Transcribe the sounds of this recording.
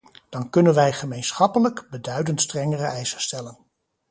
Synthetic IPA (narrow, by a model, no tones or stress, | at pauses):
d̥ɑnkɵnənʋɛjχəmejnsχɑpələkbədœɥdəntstrɛŋərəɛjsəstɛlən